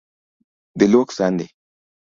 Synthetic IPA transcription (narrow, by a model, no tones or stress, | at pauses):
deloksandḛ